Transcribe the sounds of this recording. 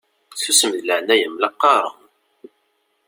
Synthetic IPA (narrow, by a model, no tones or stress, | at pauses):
θusəməðləʕnæjəmlɑqːɑɾˤən